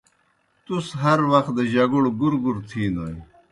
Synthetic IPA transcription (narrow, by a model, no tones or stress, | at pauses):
t̪usɦɐɾwɐxt̪̚d̪ɐʑɐɡuɽɡuɾɡuɾt̪ʰiːnoi